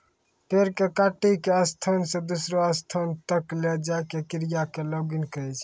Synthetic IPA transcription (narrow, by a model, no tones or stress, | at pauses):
peɾkekaʈikeəst̪ʰənsẽd̪usɾoəst̪ʰənt̪əkled͡ʒaɪkekiɾijakelɔɡinkəɛt͡ʃʰ